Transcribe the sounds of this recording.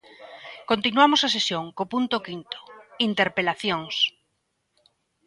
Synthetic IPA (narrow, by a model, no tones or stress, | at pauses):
kont̪inwamosasesjõŋkopunt̪okint̪o̥int̪eɾpelaθjoŋs